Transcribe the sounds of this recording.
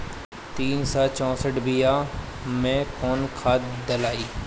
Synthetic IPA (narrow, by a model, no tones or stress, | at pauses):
t̪iːnsaːt͡ʃɔ̃ːsəʈbijaː | mẽkɔːnkʰaːt̪d̪əlaːiː